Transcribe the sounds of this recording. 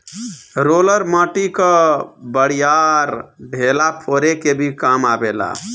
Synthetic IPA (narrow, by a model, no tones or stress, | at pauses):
ɾoləɾməʈikəbəɽ̤ijaɾɖʱelapʰoɾekebʱikamabela̰